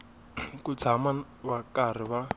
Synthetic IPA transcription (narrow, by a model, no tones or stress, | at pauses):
kut͡sʰama | βakar̤iβa